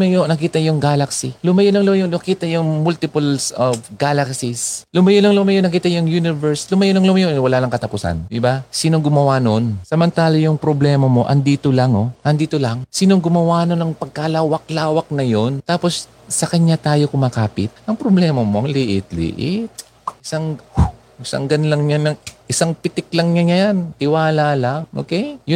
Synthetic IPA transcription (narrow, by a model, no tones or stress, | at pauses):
mɐjonɐkiːt̪ɐjʊŋɡaːlɐksilʊmɐjonɐŋlʊmɐjoɐkiːt̪ɐjʊŋmult̪ɪpʊlsofɡaːlɐksɪslʊmɐjonɐŋlʊmɐjonɐkiːt̪ɐjʊŋjunɪvɛɹslʊmɐjonɐŋlʊmɐjoʔwɐlaːlɐŋkɐt̪ɐpʊsa̰nd̪ɪbasiːnoŋɡʊmɐwaːno̞nsɐmɐnt̪aːlɐjʊŋpɾoblɛːmɐmo̞ʔɐnd̪iːt̪olaŋʔo̞ʔɐnd̪iːt̪olaŋsiːnoŋɡʊmɐwaːnonɐŋpɐɡ̚kalaːwɐk̚laːwɐk̚nɐjo̞nt̪aːpo̞s | sɐkɐɲat̪aːjo̞kʊmakaːpɪt̪̚ʔɐŋpɾoblɛːmɐmo̞ʔɐŋlɪʔɪt̪̚lɪ̰ʔɪt̪̚ | ʔɪsaŋ | ʔɪsa̰ŋɡɐnlɐŋɲanɐʔɪsaŋpɪt̪ɪk̚lɐŋɲaɲajant̪ɪwaːlalaŋʔoːkɛjjʊ